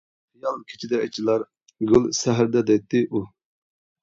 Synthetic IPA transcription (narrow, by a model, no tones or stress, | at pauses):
χijɑlˠkʲʰi̥t͡ʃʰid̪ɛɛt͡ʃʰilˠɑɾ | ɡʲylsɛɦɾd̪ɛd̪ɛt̪ːɪʔu